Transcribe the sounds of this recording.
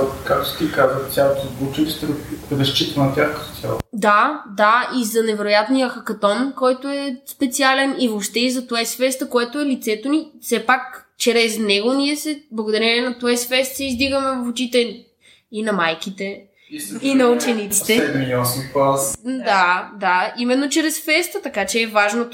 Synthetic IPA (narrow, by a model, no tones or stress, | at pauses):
kak̚t̪o̥t̪ikazvət̪ʲjalˠot̪ozbut͡ʃɛnist̪ɛɡoɛbɛst͡ʃit̪ənɐt̪ʲjaxkə̥t̪o̥t̪ʲja̰lˠo̰d̪ad̪aizɐnɛvɛɾojat̪nijəxɐkɐt̪ɔnkɔjt̪oɛspɛt̪sialɛnivopʃt̪ɛizɐt̪oɛsfɛst̪əkoɛt̪oɛlit̪sɛt̪onifsɛpak | t͡ʃɾɛznɛɡoniɛsɛblˠɐɡod̪ɐɾʲɛnɛnɐt̪oɛsfɛst̪sɛizd̪iɡəmɛvɐfot͡ʃit̪ɛ | inɐmajkit̪ɛ | inɐut͡ʃɛnit̪sit̪ɛɛmiɔspad̪ad̪aimɛnːot͡ʃɾɛsfɛst̪ət̪ɐkat͡ʃɛːvaʒno